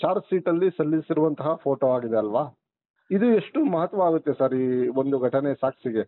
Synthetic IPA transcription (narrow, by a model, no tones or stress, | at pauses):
t͡ʃaːɾt̪siːʈɐlːisɐlːisiɾuʋɐnt̪ɐɦɐpʰo̞ːʈoːaːɡid̪eɐlʋaː | id̪ue̞ʂʈumɐɦɐt̪ːʋɐʋaːɡut̪ːesaːɾiːo̞nd̪uɡʱɐʈɐnesaːksiɡe̞